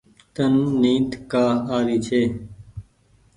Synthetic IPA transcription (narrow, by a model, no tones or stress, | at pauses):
t̪ənːĩːt̪kaːaːɾiːt͡ʃʰeː